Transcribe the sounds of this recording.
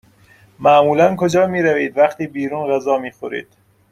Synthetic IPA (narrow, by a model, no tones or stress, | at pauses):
mæmuːlænkʰod͡ʒɒːmiːɾæviːd̪væχt̪iːbiːɾuːnɢæzɒːmiːxoɾḭːd̪̥